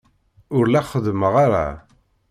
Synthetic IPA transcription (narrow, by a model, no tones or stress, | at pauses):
ʊɾlæχəðməʁaɾa̰